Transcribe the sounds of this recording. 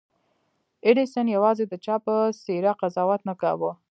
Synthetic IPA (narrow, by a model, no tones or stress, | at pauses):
ɪɖisənjawɑzed̪ət͡ʃɑpəseɾaqazɑwat̪nakawə